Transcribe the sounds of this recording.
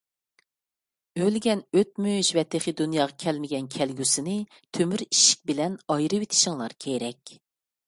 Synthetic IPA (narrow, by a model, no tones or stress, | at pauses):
ølɡʲɛnøt̪̚møjiʃvɛt̪ʰɪχɨd̪unjɑːʁɑkʲʰɛlmɪɡʲɛnkʲʰɛlɡʲysɪnɨ | t̪ʰømyɾiʃi̥k̚ʲbɪlɛnɑjɾɨwet̪ʰɪ̥ʃɪŋlˠɑɾkʲʰejɾɛkʲ